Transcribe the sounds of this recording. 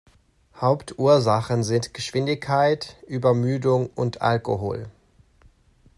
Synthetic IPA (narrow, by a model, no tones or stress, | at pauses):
haʊptʔuːɐzaχənzɪntɡ̥əʃv̥ɪndɪçkʰːaɪtʔyːbɐmyːdʊŋʔʊntʔa̰lkoɦo̰ːl